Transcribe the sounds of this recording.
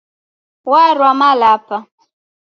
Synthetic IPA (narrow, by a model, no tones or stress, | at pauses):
waɾwamalapa